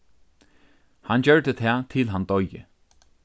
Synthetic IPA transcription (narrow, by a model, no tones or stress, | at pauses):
hand͡ʑœɹd̪ət̪ʰɛːt̪ʰɪlɦand̪ɔjə̰